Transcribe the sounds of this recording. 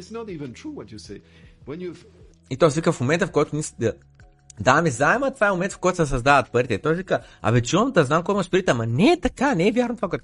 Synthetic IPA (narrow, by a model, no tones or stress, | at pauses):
ɪtsnəɾivə̃ntʰɹ̥uwɔt͡ʃɨseɪ | wə̃njuv | it̪ɔjsvikəfmomɛnt̪ɐəfkɔjt̪ʊnisd̪ | d̪amizaɛmət̪ovaɛmomɛnt̪əfkɔjt̪ʊsɛs̬ɐzd̪avət̪̚pəɾit̪ɛit̪ɔjsvikəɐ̰vɛt͡ʃuɐmt̪ɐznamkɔjimɐʃt̪ɾit̪ːmɐnɛːt̪ɐkanɛːvʲjaɾnot̪vakɛt̪